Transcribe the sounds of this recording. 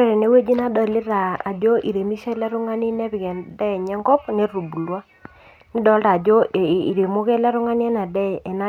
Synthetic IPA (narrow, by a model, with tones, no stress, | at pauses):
e˦ɾe˨ne˦we˦d͡ʒi˦na˦dɔ˨lɪ˦ɾa˨a˨d͡ʒo˦ʔḭ˨ɾe˨mi˦ʃe˦lɛ˦ɾʊ˦ŋa˦ni˦nɛ˦pɪ˨kɛ˨ndɛ˦˨ɲɛ˦ŋɡɔ˦pne˦ru˨bu˨lwa˦ | nɪ˦dɔ˨˦lta˨d͡ʒo˦˨i˨ɾe˨mo˦kɛ˦lɛ˦ɾʊ˦ŋa˦n˦ɛ˦na˨dɛ˦˨e˨na˦